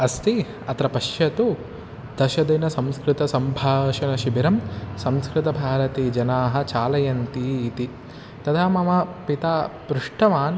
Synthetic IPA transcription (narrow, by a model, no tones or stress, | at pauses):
ɐst̪i | ɐt̪ɾɐpɐʃjɐt̪u | d̪̥ɐʃɐd̪ɐnɐsɐmskɾɪt̪ɐsɐmbʱaːʃɐnɐʃibiɾɐmsɐmskɾɪt̪ɐbʱaːɾɐt̪iːd͡ʒɐnaːɦɐ̆t͡ʃaːlɐjɐnt̪iːt̪i | t̪ɐd̪ʱaːmɐmɐpit̪aːpɾuʂʈɐʋaːn